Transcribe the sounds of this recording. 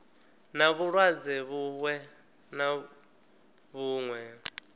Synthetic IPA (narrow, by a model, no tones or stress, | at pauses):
naβuɺwad͡zɛβuwɛ | na | βuːŋwɛ